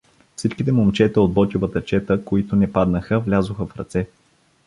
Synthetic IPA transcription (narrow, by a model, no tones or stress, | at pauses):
fsit͡ʃkit̪ɛmomt͡ʃɛt̪ɛod̪̚bɔt̪ʲuvət̪ət͡ʃɛt̪əkoit̪ʊnɛpad̪nəxəvlʲazʊxəfɾɐ̰t̪sɛ